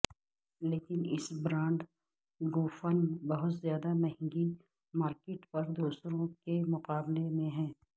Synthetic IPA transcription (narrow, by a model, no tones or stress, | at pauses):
leːkɪnɪsbɾãːɳɖ | ɡoːfənbɐɦʊt̪zjaːd̪amɐɦɪ̃ŋɡi | maːɾkeːʈpɐɾd̪oːsɾõkemʊqaːblemẽɦɛ̃ː